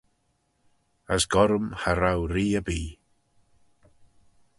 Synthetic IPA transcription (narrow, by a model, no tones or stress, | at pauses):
əsɡɔɾmhaɾawriːəbiː